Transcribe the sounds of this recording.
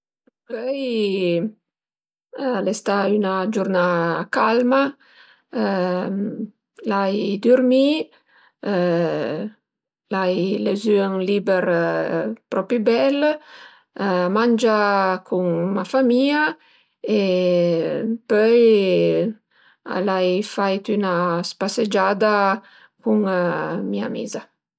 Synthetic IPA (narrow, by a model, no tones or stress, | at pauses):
pœj | lɛst̪aynad͡ʒurnakalma | lajd̪urmi | lajlezyəŋlibɛɾ | pɾɔpibɛl | mand͡ʒakʰuŋmafamia | e | pœj | a̰lajfajt̪ynaspased͡ʒad̪a | kuŋmia̰mḭza